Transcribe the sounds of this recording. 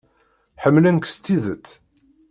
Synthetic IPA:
ħəmːlænkst̪ːiðət͡s̪ː

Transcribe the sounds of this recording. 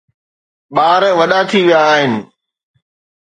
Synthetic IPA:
ɓaːɾə̃ʋəɗaːt̪ʰiːʋɪjaːɦɪnɪ̆

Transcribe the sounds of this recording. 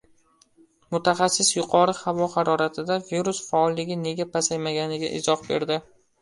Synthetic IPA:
mʊt̪ʰaχasːɪsjʊqʰɒɾɪhavɒhaɾɒɾat̪ʰɪd̪aviɾusfaɒlˠːɪɡʲɪne̞ɡʲapʰasajmaɡʲanɪɡʲa̰ʔɪ̰zɒχbe̞̰ɾd̪ɪ

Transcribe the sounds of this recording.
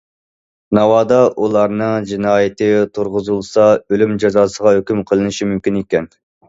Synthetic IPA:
nɑwɑːd̪ɑʔulˠɑɾnɨŋd͡ʒinɑːjɪt̪ɨt̪ʰuɾʁʊzulˠsɑølymd͡ʒɑzɑːsəʁɑhøkʲymqʰəlˠɨnɨʃimymkʲinekʲɛn

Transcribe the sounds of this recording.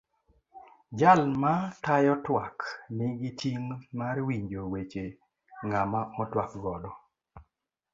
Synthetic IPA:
d͡ʒalmatajɔtwaknɪɡitʰiŋmarwiɲd͡ʒowet͡ʃe | ŋɡamaɔtwak̚ɡɔdɔ

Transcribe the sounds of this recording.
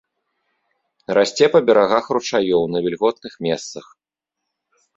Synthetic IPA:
ɾʔasʲt͡sʲɛpɐbʲɛɾaɣaxrut͡ʂajɔwnɐvʲɛlʲɣɔt̪nɨxmʲɛst̪sɐx

